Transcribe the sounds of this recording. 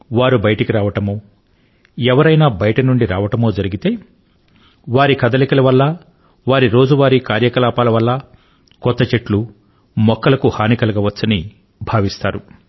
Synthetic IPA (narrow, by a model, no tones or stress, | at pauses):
ʋaːɾubɐjʈikiɾaːʋɐʈɐmoː | ɛʋɐɾɐjnaːbɐjɐʈɐnuɳɖiɾaːʋɐʈɐmo̞ːd͡ʒɐɾiɡit̪e̞ː | ʋaːɾikɐd̪ɐlikɐlɐʋɐlːɐ | ʋaːɾiɾo̞ːd͡ʒuʋaːɾikaːɾjɐkɐlaːpaːlɐʋɐlːɐ | kɔt̪ːɐt͡ʃeʈlu | mɔkːɐlɐkuhaːnikɐlɐɡɐʋɐt͡ʃːɐni | bʱaːʋist̪aːɾu